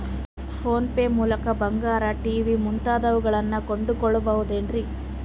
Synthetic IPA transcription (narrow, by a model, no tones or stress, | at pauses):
pʰo̞ːnpeːmuːlɐkɐbɐŋɡaːɾɐʈiːʋimunt̪aːd̪ɐʋuɡɐɭɐnːɐkoɳɖukoɭːɐbɐʋud̪eːnɾi